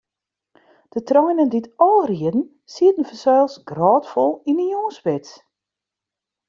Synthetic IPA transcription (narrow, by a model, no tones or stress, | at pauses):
d̥ətrɔjnənditɔlˠriədn̩ | siətən̩fəsɛːlˠsɡrɔːtfɔlˠinəjoːspɪt